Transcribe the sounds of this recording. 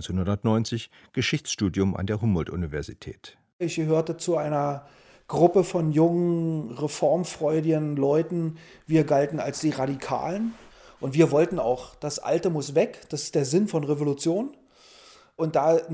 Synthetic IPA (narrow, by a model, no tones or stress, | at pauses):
nt͡senhʊndɐtnɔʏnt͡sɪç | ɡ̥əʃɪçt͡sʃtuːdjʊma̰ndeːɐɦʊmbɔltʔṵnivɛɐzitʰɛ̰ːt | ɪçɡ̥əɦøːɐtət͡suaɪnɐ | ɡ̥ʁʊpəfɔnjʊŋənʁefɔɐmfʁ̥ɔʏdɪɡənlɔʏtn̩viːɐɡaltn̩a̰lsd̥iːʁaɾikʰa̰ːlənʔʊntv̥iːɐvɔltn̩a̰ʊxd̥asʔa̰ltəmʊsv̥ɛkd̥asɪ̥std̥eːɐzɪnfɔnʁevolut͡sjoːn | ʔʊnt̚d̥aː